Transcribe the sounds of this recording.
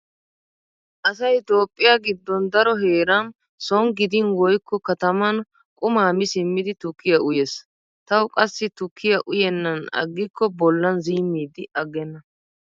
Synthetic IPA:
ʔɐsɐjt̪o̞ːpʼːɪjaɡɪd̪ːɔnd̪ɐɾɔɦeːɾan | sɔŋɡɪd̪ɪnwɔjkːɔkɐt̪ɐmɐn | kʼʊmaːmɪsɪmːɪd̪ɪt̪ʊkʰːɪjɐʔʊjes | t̪ɐwkʼɐsːɪt̪ʊkʰːɪjɐʔʊjɛnːɐnɐ̰ɡːɪkːɔbɔlːɐnziːmːiːd̪ɪɐɡːɛnːɐ

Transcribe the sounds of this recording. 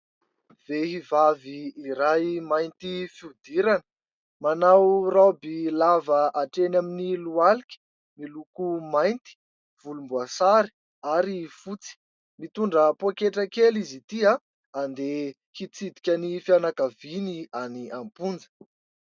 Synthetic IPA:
v̥eɦivaviːɾajmajnt̪ifiud̪iɾanə̥ | manawrabilavəʔaʈ͡ʂenaminilualikʲə̥ | milukumajnt̪i̥ | v̥ulumbuasaɾi̥ | aɾifut͡si̥ | mit̪uɳɖ͡ʐəpoakeʈ͡ʂəkelizit̪ia | and̪e | kit͡sid̪ikʲanifianakavinianiampund͡zə̥

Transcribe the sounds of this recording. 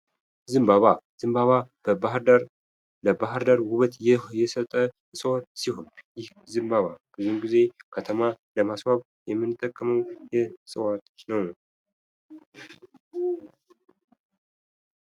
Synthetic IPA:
zɨmbaβaz̥ɨmbaβa | ahd̪ɾ | ləbahɾd̪əɾwuβət̪jɛsət̪ʼːə | sʼəwat̪sihonjɪh | zɨmbaβab̥ɨzumɡize̞kʰət̪ʰəmaləmasβaβ | jɛmːɨnɨt̪ʼːəkʼːəməwjɛsʼɨwat̪nəw

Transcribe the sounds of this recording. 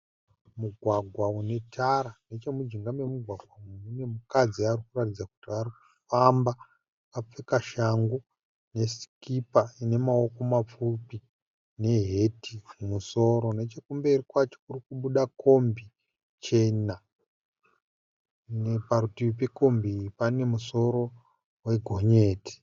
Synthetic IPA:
muɡʱwaɡʱwaune̞tʰaɾane̞t͡ʃe̞mud͡ʒiŋɡame̞muɡʱwaɡʱwamumune̞mukad͡ziarikuratid͡zaku̥tiariku̥famba | kap͡fekaʃaŋɡu | ne̞si̥kipaine̞mao̞ko̞map͡fupi | ne̞ɦe̞tiumuso̞ɾo̞ne̞t͡ʃekumberikwat͡ʃo̥kurikuɓuɗako̞mbi | t͡ʃe̞na | nepaɾutiip̬eko̞mbipane̞muso̞ɾo | we̞ɡʱo̞ɲe̞ːti̥

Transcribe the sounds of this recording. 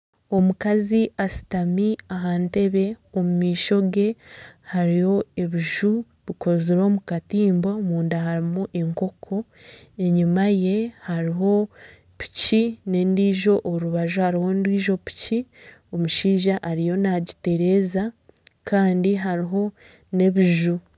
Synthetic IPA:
o̞mukaziʔasi̥tamiaɦaːnte̞βe̞omumiːʃo̞ɡe̞haɾijo̞e̞βiʒu | βiko̞ziɾo̞ːmukatiːmbo̞muːndaɦaɾimuʔe̞ŋko̞kʰo̞e̞ɲimaje̞haɾiɦo̞ | pi̥cine̞ndiːʒo̞ʔːɾuβaʒuhaɾiho̞ndwiːʒo̞pi̥ci | o̞muʃiːʒaʔːɾijo̞naɟite̞ɾe̞ːza | kʰaːndiɦaɾiɦo̞ | ne̞βiʒu

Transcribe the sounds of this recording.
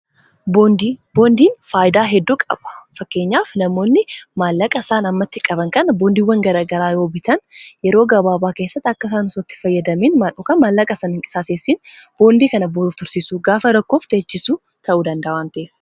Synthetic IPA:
bond̪iboːnd̪iːnfaːjɪd̪aːɦɛd̪ːuːkʼɐ̰b̥ɐ̥fɐkːe̞ːɲːaːfnɐmo̞ːnːɪmaːlːɐkʼɐsaːnɐmːɐt̪ːɪkʼɐβɐŋkɐnɐboːnd̪iːwːɐŋɡɐɾaːɡɐɾaːjoːbɪt̪ʰɐnjɛɾo̞ːɡɐbaːbaːke̞ːsːɐt̪ːɪɐkːɐs̬aːnʊsɔt̪ːɪ̥fɐjːɐd̪ɐmiːnmaɔkɐmaːlːɐkʼɐsɐnɪŋkʼɪ̥saːseːsːiːnb̥o̞ːnd̪iːkɐnɐboɾuːft̪ʊɾsisuːɡaːfɐɾɐkːoːft̪eːt͡ʃːɪsuː | t̪ʰɐʔuːd̪ɐnd̪ɐʔɐwaːnt̪ɐef

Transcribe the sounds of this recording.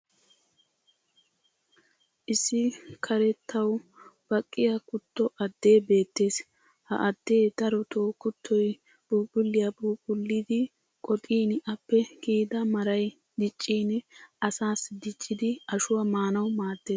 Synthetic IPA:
ʔɪsːɪkʰɐɾɛt̪ʰːɐwb̥ɐkʼːɪjɐkʊt̪ːɔʔɐd̪ːe̞ːbe̞ːt̪ːe̞ːs | hɐ̰ʔɐd̪ːe̞ːd̪ɐɾɔt̪ʰoːkːʊt̪ʰːɔj | b̥uːkʼʊlːɪjɐbuːkʼʊlːid̪ɪ | kʼɔt̪ʼiːnʔɐpːɛkiːd̪ɐmɐɾɐj | d̪ɪt͡ʃʼːiːnɐsaːsɪd̪ɪt͡ʃʼːɪd̪ɪɐʃʊwɐmaːnɐwmaːd̪̥ːe̞ːs

